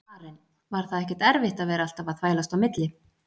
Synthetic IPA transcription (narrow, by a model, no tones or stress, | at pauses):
aːɾɪn | vaɾ̥θaðɛhcːɛ̥ɾt̪ɛɾvɪht̪aðvɛːɾaal̥t̪avaðθʰvaːjlast̪awmɪt̪lɪ